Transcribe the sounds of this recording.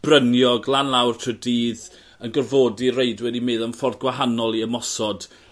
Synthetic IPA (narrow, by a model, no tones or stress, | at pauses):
b̥rənjɔɡlˠanlˠawrtʰrɨdiːð | ənɡərvoːdireɨdwɛdimeːðanfɔrdɡwaɦanɔlˠiəmɔsɔd̥